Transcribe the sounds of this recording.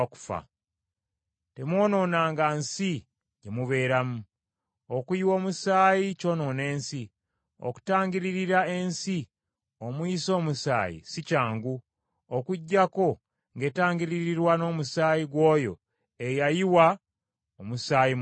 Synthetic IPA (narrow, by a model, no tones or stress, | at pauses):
ku̥fa̰ | te̞mwo̞ːno̞ːnaːŋɡansi | ɟemuβe̞ːɾamu | okujiwo̞ːmusaːjico̞no̞ne̞ːnsi | o̰ku̥taːŋɡiɾiɾiɾae̞nsi | o̞mwiːso̞ːmusa̰ːjḭsicaːŋɡu | okuɟːako̞ | ŋɡe̞ːtaːŋɡiɾiɾiɾwano̞ːmusaːjiɡwo̞ːjo̞̰ | ejajiwa | omusaːji